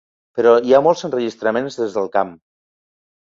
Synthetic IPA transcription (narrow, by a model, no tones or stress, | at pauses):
pəɾɔiamɔlˠzənrəʒist̪ɾəmenzðezðəlˠkam